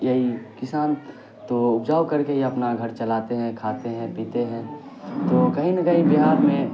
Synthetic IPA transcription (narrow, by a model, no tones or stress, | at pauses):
jɐɦikɪsaːn | t̪oʊpd͡ʒaːwkɐɾkejeɐpnaɡʱɐɾt͡ʃɐlaːt̪eɦɛ̃kʰaːt̪eɦɛ̃piːt̪eɦɛ̃ː | t̪oːkɐɦĩnɐkəɦĩbɪɦaːɾmẽ